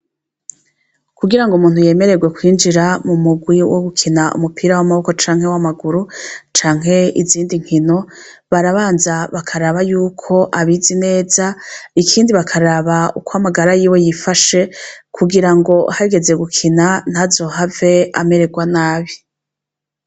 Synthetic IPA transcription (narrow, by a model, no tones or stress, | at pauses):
kuɡiɾaŋɡomuːn̥huje̞ːme̞ɾe̞ɡwe̞kwiːnd͡ʒiɾamumuɡwiwoɡukʰinaṵmupʰiɾawamaβo̞kot͡ʃaːŋhe̞wamaɡuɾut͡ʃaːŋ̥ɦe̞iziːndiŋ̥hino̞ | βaɾaβaːnzaβakʰaɾaβajuːkʰo̞ʔaβizine̞ːzaikʰiːndiβakʰaɾaβaukwoamaɡaɾajiːwe̞jifaʃe̞kʰuɡiɾaŋɡo̞haiɡe̞ze̞ɡukʰinan̥hazo̞ɦave̞a̰me̞ɾe̞ɡwanaːβi